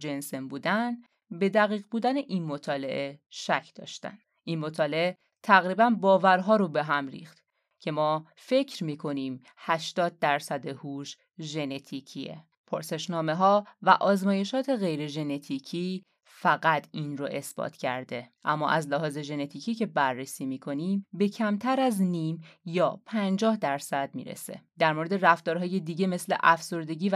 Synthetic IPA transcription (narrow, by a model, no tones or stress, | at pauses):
d͡ʒensembuːd̪æn | be̞d̪æɣiːɣbuːd̪æneʔinmot̪ʰɒːle̞̰ʔe̞ʃæcʰd̪̥ɒ̰ːʃt̪æ̰n | ʔinmo̞t̪ʰɒːle̞ʔe | t̪ʰæɣɾiːbænbɒːvæɾɦɒːɾobe̞ɦæmɾḭːxt̪ | cʰe̞mɒː | fe̞cʰɾmiːkʰo̞niːm | hæʃt̪ɒːd̪̚ːæɾsæd̪ehuʃ | ʒe̞ne̞t̪ʰiːcʰiḛ | pʰoɾse̞ʃnɒːme̞ɦɒːvæ̰ʔɒːzmɒːje̞ʃɒːt̪ʰe̞ɣe̞jɾe̞ʒe̞ne̞t̪ʰiːcʰiː | fæɣæt̪ʰiːnro̰ʔe̞sb̥ɒ̰ːt̪ʰcʰæ̰ɾd̪e̞ʔæmːɒ̰ʔæzlæɦɒːze̞ʒe̞ne̞t̪ʰiːcʰiːcʰe̞bærːesiːmiːkʰo̞niːmbe̞cʰæmt̪ʰæɾæzniːmjɒːpʰænd͡ʒɒːhd̪æɾsæd̪̥̚mḭːɾḛse̞̰d̪̥æɾmoɾed̪e̞ɾæft̪ɒːɾɦɒːje̞d̪iːɟeme̞sle̞̰ʔæfso̞ɾd̪e̞ɟiː